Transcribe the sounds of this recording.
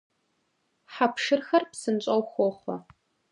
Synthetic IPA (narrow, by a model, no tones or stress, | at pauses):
ħapʰʂɨrxɐrpsɨnt͡ɕʷʼɐwχʷɔχʷɐ̰